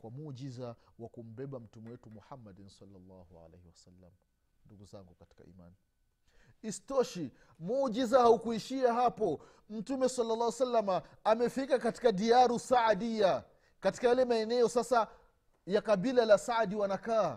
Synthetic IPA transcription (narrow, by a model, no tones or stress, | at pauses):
kwamud͡ʒizawakum̩bɛɓam̩tumɛwɛtumuhamːadinsɑlːɑlːɑ̰hua̰lḛhɛwasalːa̰m | nduɡuza̰ŋɡukati̥ka̰ḭma̰ni | istɔʃi | mud͡ʒizahaukuiʃiaɦapɔ | m̩tumɛsalːalːaːhwasalːamaː | mɛfikakati̥kadiaɾusaadija | kati̥kajalɛmaɛnɛɔsasa | jakaɓilalasadiwanakaː